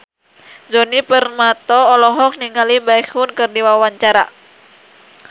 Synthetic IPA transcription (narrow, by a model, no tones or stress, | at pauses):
d͡ʒɔnipərmat̪ɔːlɔɦɔk̚niŋalibaikunkɨrdiwawaɲt͡ʃaɾa̰